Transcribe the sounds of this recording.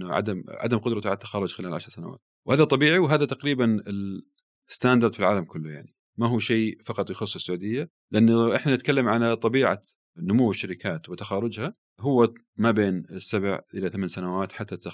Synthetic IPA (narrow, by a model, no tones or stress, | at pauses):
ʕa̰d̪amʕa̰d̪amqʊd̪ɾˤɑt̪aʕat̪ːaxɑːɾˤʊd͡ʒxɪlaːlʕaʃɾˤsana̰wa̰ːt̪̚ | whaːðat̪ˤɑbiːʕiwɦaːðat̪aqɾiːbanɪl | ɪst̪aːnd̪ɑɾˤd̪filʕaːlamkʊlːʊja̰ʕni | maɦuːʃeːfɑqɑt̪ˤjxʊsˤːɪsːʕuːd̪ɪjːa | lɪʔanːʔɪħnanɪt̪kalːamʕalat̪ˤɑbiːʕa̰ | nʊmuwːɪʃːaɾɪkaːt̪wɪt̪axɑːɾʊd͡ʒha | ɦʊwːa | mabeːnɪsːabʕʔɪlaθamansanawaːt̪ħat̪ːat̪a